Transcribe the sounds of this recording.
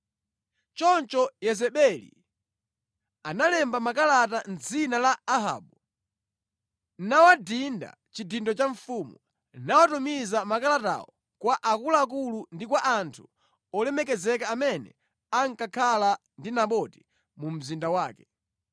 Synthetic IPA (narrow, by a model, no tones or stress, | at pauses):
t͡ʃɔnt͡ʃɔjɛzɛɓɛlḭ | analɛmbamakalat̬an̩d͡zinalaːɦa̰ːɓu | nawadinda̰ | t͡ʃidindɔt͡ʃaɱfumu | nawatumizamakalata̰ɔ | kwaʔakulaːk̬ulundikwaʔantʰu̥ | ɔlɛmɛkɛzɛkaːmɛnɛ̰ | aŋkakʰala | ndinaɓɔti̥ | mum̩zindawaːkɛ